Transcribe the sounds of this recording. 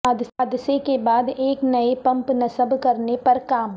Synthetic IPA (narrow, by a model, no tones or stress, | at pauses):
ad̪aːd̪sekebaːd̪eːknɐepɐ̃mpnɐsəbkɐɾnepɐɾkaːm